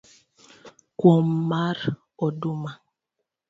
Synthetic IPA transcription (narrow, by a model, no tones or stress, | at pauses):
kwɔmmaɾ | ɔduma